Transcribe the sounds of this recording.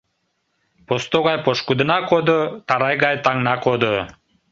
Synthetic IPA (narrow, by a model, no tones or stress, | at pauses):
post̪oɡɑjpoʃkud̪ɯ̆nɑkod̪ot̪ɑɾɑjɡɑjt̪ɑŋnɑkod̪o